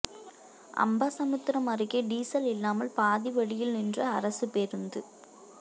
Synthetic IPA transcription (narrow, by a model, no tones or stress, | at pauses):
ʔɐ̰mbaːsɐmɯt̪ːɪɾɐmɐrɪɣeɖiːsɐlɪlːaːmɐlpaːðiʋɐɽɪjɪlnɪndrɐːɾɐsɯpeɾɯnd̪ɯ